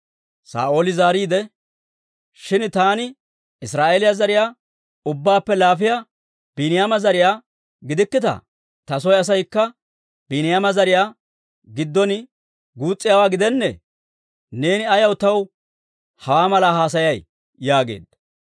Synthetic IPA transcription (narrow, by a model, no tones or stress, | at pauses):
sa̰ːʔoːlɪzaːɾiːd̪ɛ | ʃɪnt̪aːnɪ | ɪsɾaːʔeːlɪjazɐɾɪjaː | ʊbːaːpːɛlaːfɪja | b̥ɪnɪjamɐzɐɾɪjaː | ɡɪd̪ɪkːɪt̪ɐ̰ | t̪ɐs̬ɔjɐs̬ɐjkːɐ | b̥ɪnɪjamɐzɐɾɪjaː | ɡɪd̪ːɔnɪ | ɡuːt͡sʼːɪjaːwaːɡɪd̪ɛnːɛ̰ | ne̞ːnɪɐjɐwt̪ɐw | hɐwaːmɐlaɦaːs̬ɐjɐj | jaːɡe̞̰ːd̪ɐ